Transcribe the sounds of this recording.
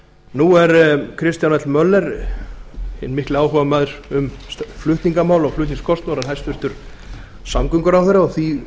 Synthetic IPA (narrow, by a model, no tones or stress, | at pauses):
nuɛɾkʰɾɪst̪janvɛt̪lmœlːɛɾ | hɪ̰nmɪhklɪaːwɦɔvamaːðɾ̥ʏmflʏht̪niŋkamaːwlɔɣflʏht̪niŋskʰɔst̪nawɾanɦajst̪vʏht̪ʏɾ̥ | samkʏŋkʏɾawθɛɾːaɔθi